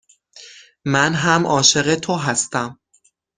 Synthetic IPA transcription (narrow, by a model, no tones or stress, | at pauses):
mænɦæmʔɒːʃe̞ɣe̞t̪ʰoɦæst̪æm